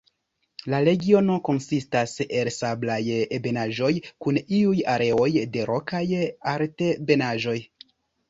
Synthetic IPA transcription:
laɾe̞ɡio̞no̞ko̞nsistase̞lsablajebenaʒo̞jkuniujaɾʔe̞o̞jde̞ɾo̞kajaɾte̞be̞naʒo̞j

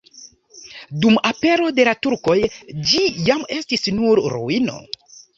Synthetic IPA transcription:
dumape̞ɾo̞de̞latuɾko̞jd͡ʒijame̞stisnuɾɾṵino̞̰

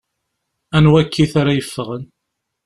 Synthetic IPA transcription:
ænwækːiθaɾajəfːəʁən

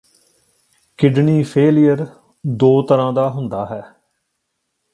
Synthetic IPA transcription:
kɪɖniːpʰeːlɪjəɾ | d̪oːt̪əɾãːd̪aːɦʊnd̪aːɦɛː

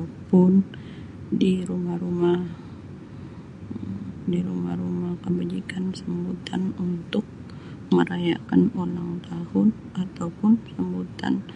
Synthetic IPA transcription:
apʊn | diɾumahrumah | diɾumahrumahkəbad͡ʒikansəmbut̪anunt̪ʊk̚ | məɾaja̰kanolaŋt̪ahʊn | ʔat̪awpʊnsəmbut̪a̰n

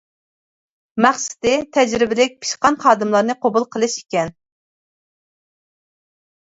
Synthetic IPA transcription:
mæχsɪ̥d̪ɪt̪ʰɛd͡ʒɾɪbɪlɪk̚ʲpʰi̥ʃqɑnχɑːd̪ɨmlˠɑɾnɨqʰobulˠqʰəlˠɨʃikʲɛn

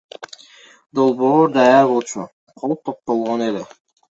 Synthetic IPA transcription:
d̪olˠboːɾd̪ɑjaɾbolˠt͡ʃʰʊ | qʰolˠp̚t̪ʰop̚t̪olˠʁonelɪ

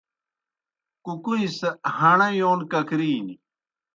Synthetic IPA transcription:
kukuĩsɐhɐɳɐjoːnkɐkɾiːni

